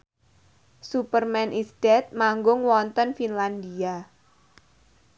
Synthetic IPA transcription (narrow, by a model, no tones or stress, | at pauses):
supərmɛnʔisd̥ɛt̪̚maŋɡʊŋwɔnt̪ɔnfinlandia